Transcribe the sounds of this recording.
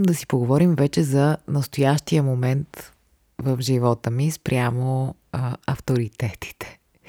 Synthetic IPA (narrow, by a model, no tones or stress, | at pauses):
md̪ɐsi̥poɡovɔɾimvɛt͡ʃɛzɐnəst̪ojaʃt̪ijəmomɛnt̪ | vəvʒivɔt̪əmispɾʲʔʲjamo | ɐ̰ft̪oɾit̪ɛt̪i̥t̪ɛ̥